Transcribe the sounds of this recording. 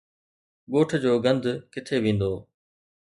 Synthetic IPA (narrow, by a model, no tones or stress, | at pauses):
ɠoːʈʰd͡ʑoːɡə̃nd̪ʱkɪt̪ʰeʋĩːnd̪oː